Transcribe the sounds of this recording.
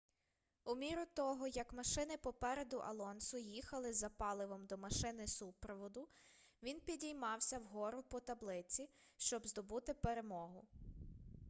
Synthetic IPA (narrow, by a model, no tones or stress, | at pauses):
umʲiɾʊt̪ɔɦɔjɐkmɐʃɪnɪpɔpɛɾed̪ʊʔɐ̰lˠɔnsʊjixɐlˠɪzɐpɑlˠɪʋɔmd̪ɔmɐʃɪnɪsupɾɔʋɔd̪ʊ | ʋʲinpʲidʲijmɑwsʲɐwɦɔɾʊpɔt̪ɐblˠɪt͡sʲi | ʃt͡ʃɔbzd̪ɔbut̪ɪpeɾemɔɦʊ